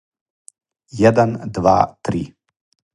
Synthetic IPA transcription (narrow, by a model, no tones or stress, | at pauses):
jɛd̪ɛnd̪ʋa̰t̪ɾi